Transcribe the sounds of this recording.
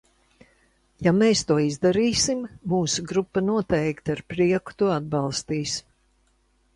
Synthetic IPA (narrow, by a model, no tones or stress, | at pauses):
jameːst̪uɔizd̪aɾiːsimːuːsuɡɾupːanuɔt̪ɛjkt̪aɾpɾiɛku̥t̪uɔad̪̚bɑlˠst̪iːs